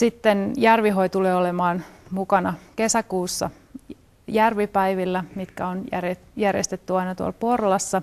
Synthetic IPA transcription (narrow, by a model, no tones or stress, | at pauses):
sit̪ːenjærʋiɦo̞it̪uleːolemɑːnmukɑnɑke̞sækuːsːɑ̰ | jærʋipæiʋilːæmit̪kæonærejærjḛst̪et̪ːyɑinɑt̪uɑ̰lpo̞rlɑsːɑ